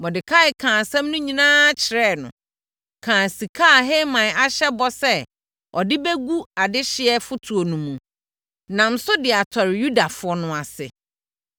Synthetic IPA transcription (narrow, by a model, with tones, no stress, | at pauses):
mɔ˨dɪ˨kʰa˦ɪ˨kʰãː˨sɛ̃˦m˦nʊ̃˦ɲĩ˨nãː˦t͡ɕʰɪ˨ɾɛ˦˨nʊ̰̃˨ | kʰãː˨si˨kʰaː˦˨ɦe˦mã˨a˨ɕɛ˦bɔ˦sɛ˦ | ɔ˨dɪ˦be˦ɡu˦a˨dɪ˦ɕɪ˦ɛ˦fʊ˦tʰu˨o˨nũ˨mũ˨ | nã˨m˦sʊ˦dɪ˨a˨tʰɔ˨ɾɪ˨ju˦da˨fʊ˨˦ɔ˦nʊ̃˨a˨sɪ̰˨